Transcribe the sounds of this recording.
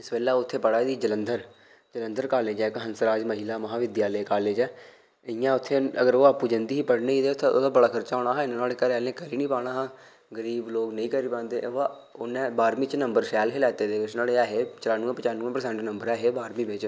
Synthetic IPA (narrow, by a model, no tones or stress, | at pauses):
ɪsbeːlaːʊt̪ʰːeːpəɽaːd̪iːd͡ʒələnd̪əɾ | d͡ʒələ̃nd̪əɾkaːleːd͡ʒɛːkɦənsəɾaːd͡ʒməɦilaːməɦãːʋɪd̪jaːləeːkaːleːd͡ʒɛː | əɪjãːʊt̪ʰːeːəɡəɾoːaːpuːd͡ʒənd̪iːɦiːpəɽneːiːeːt̪ːod̪aːbəɽaːkʰəɾt͡ʃaːoːɽ̃aːɦaːɪnãːnaːlekəɾɛːlẽːkəɾiːnĩːpaːɽ̃aːɦaː | ɡəɾiːbloːknəĩːkəɾiːpãːnd̪eːa | ʊnẽːbaːɾmiːt͡ʃnəmbəɾsɛːlɦɪlɛːt̪eːd̪eːɪt͡ʃnaːleːɛːɦeːt͡ʃəɾaːnuːẽpət͡ʃaːnːũːpəɾsɛ̃ːɳʈnəmbəɾɛːɦeːbaːɾmĩːbɪt͡ʃ